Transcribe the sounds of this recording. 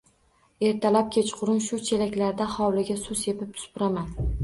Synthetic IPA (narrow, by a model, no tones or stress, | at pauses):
e̞ɾt̪ʰalap̚kʲʰet͡ʃqʰʊɾɪnʃʊt͡ʃʰe̞lakʲlaɾd̪ahɒwlɪɡʲasʊzjepɪp̚t̪ʰʊ̥spʊɾaman